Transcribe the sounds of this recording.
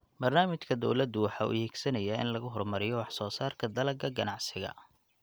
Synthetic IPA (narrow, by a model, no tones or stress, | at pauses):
bɐrnaːmɪt͡ʃkʰɐd̪ɔwlɐd̪ʊwɑħɑːʊ̰hɛːɡsɐnɐjaɪ̰nlɐɣʊɦɔrmɐɾɪjɔwɑħsɔːsaːrkʰɐd̪ɐlɐɡɐɡɐnɑʕsɪɣɐ̰